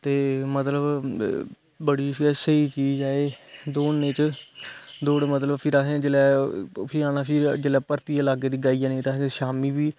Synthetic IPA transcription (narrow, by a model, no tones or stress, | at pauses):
t̪eːmət̪ləb | bəɽiːsəiːt͡ʃiːzaːeːd̪oːnẽːt͡ʃ | d̪oːɽmət̪ləbpʰɪɾaːsẽd͡ʒəlɛːpʰiaːnaːpʰɪɾd͡ʒəlɛːpəɾt̪iːaːlaːɡeːd̪iːɡaːiːjãːnĩːt̪ãːeʃaːmiːbiː